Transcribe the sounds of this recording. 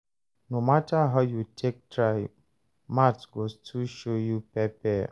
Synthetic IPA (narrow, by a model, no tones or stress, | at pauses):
nomataɦajutʰek̚tʰɹaɪ | matɡostʰuʃojupɛpɛ